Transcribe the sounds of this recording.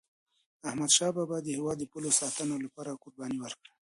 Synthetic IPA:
ahmad̪ʃɑbabɑd̪ːəhɪwɑd̪ːəpulosɑt̪ənolapɑɾakoɾbɑniwəɾkɽə

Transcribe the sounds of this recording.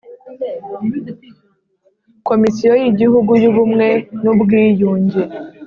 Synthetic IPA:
ko̞misijo̞jiɟihuɡujuβumŋe̞nubɡiːjuːɲɟe

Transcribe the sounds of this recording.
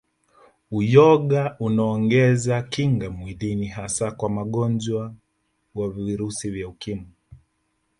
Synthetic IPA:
ujɔɠaʔunaɔŋɡɛzakiŋɡamwiðiniɦasakwamaɠɔnd͡ʒwa | waviiɾusivjaukimu

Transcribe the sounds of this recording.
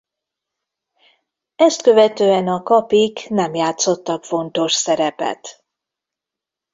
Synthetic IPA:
ɛst̪kø̞vɛt̪øːɛnɒkɒpiknɛmjaːt̪so̞t̪ːɒkfo̞nt̪o̞ʃsɛɾɛpɛ̰t̪

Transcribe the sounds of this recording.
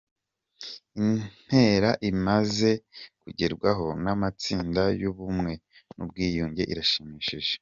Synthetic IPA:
in̥he̞ɾaʔimaze̞kuɟe̞ɾɡwaɦo̞namat͡siːndajuβumŋe̞ | nṵb̚ɡiːjuːɲɟe̞ʔḭɾaʃimiʃiʒe

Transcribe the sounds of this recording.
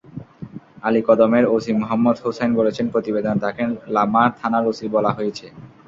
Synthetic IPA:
alikɔd̪omeɾosimoɦamːod̪ɦosenbolet͡ɕʰenpɾot̪ibed̪ont̪akelamaɾt̪ʰanaɾosibɔlaɦojet͡ɕʰe

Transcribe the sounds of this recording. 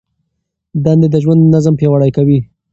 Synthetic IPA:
d̪and̪ed̪əʒwand̪nazəmpjawaɽajkawi

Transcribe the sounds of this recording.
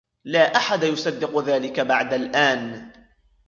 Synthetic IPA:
laːʔaħad̪ajʊsɑd̪ːɪqʊðaːlɪkabaʕd̪alʔaːn

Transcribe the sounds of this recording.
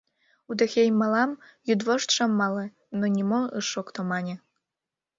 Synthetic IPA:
ud̪ə̆xʲejmɑlɑmjud̪voʃt̪ʃə̆mːɑlɤ̆ | nonʲimoɯʃokt̪omɑnʲe

